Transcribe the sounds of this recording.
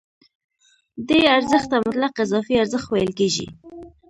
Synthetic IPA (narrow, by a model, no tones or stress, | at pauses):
d̪eaɾzəxt̪ːamʊt̪laqɪzɑfiaɾzəxt̪wajəlkeʒḭ